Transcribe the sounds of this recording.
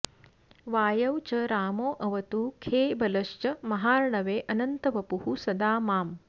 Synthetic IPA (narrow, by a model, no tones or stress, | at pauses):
ʋaːjɐwt͡ʃɐɾaːmoːʔɐʋɐt̪uːkʰeːbɐlɐʃt͡ʃɐmɐɦaːɾɳɐʋeːʔɐnɐnt̪ɐʋɐpuɦusɐd̪aːmaːm